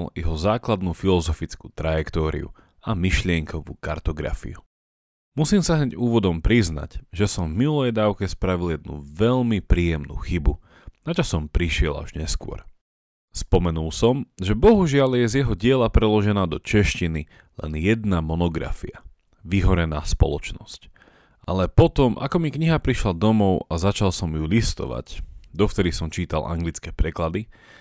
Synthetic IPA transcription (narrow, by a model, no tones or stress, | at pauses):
ljɛɦɔzaːklad̪nuːfilɔzɔfit͡skuːt̪ɾajɛkt̪ɔːɾḭṵ | amiʃlɪɛŋkʰɔʋṵːkaɾt̪ɔɡɾa̰fḭu | musiːmsaɦɲɛɟuːʋɔd̪ɔmpɾizna̰cʒɛsɔɱvmilɛjd̪aːʊkɛspɾaʋiljɛd̪̚nṵʋɛʎmipɾiːjɛmnṵːxibu | nat͡ʃasɔmpɾiʃɪɛla̰ʒɲɛskʊɔ̰ɾ | spɔmɛnulˠsɔmʒɛbɔɦuʒɪaljɛzjɛɦɔɟɪɛlapɾɛlɔʒɛnaːd̪ɔt͡ʃɛʃcini | lɛ̰njɛd̪namɔnɔɡɾa̰fia | ʋiɦɔɾɛnaːspɔ̰lɔt͡ʃnɔsc | ʔalɛpɔt̪ɔmʔa̰kɔmikɲiɦapɾiʃlad̪ɔmɔʊazat͡ʃalsɔmjulist̪ɔ̰ʋa̰ɟd̪ɔft̪ɛɾisɔmt͡ʃiːt̪a̰la̰ŋɡlit͡skɛːpɾɛklad̪i